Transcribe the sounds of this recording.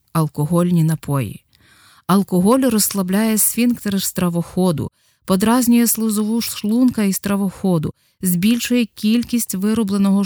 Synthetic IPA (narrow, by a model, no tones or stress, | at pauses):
ɐlˠkɔɦɔlʲnʲinɐpɔjḭ | ɐlˠkɔɦɔlʲɾɔslˠɐblʲajɛsʲʋʲinkt̪ɛɾest̪ɾɐʋɔxɔd̪ʊ̰ | pɔd̪ɾɑzʲnʲʊjɛslˠʊzɔʋuʃlˠunkɐist̪ɾɐʋɔxɔd̪ʊ̰ | zʲbʲilʲʃʊjɛkʲilʲkʲisʲtʲʋɪɾɔblˠenɔɦɔ